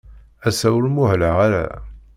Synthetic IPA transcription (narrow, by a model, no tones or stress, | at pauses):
æsæwlmʊhləʁaɾæ̰